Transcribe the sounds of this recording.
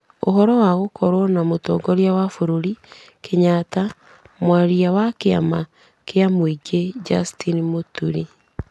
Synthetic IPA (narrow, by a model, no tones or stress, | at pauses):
o̰ɦɔɾɔwaɣokʰɔɾwɔnamotɔɡɔɾjawafoɾoɾi | kʰeɲata | mwaɾiawakea̰ma | keamoiɡed͡ʒastʰinimotuɾi